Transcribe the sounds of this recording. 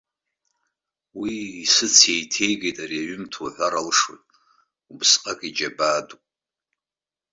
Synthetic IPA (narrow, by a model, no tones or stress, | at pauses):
wiːsɨt͡sʰjejtʰe̞jɡejtʼariaɥʏmtʰoħʷaɾalʂwo̰jtʼ | ubsqʼakʼid͡ʒabaːdupʼ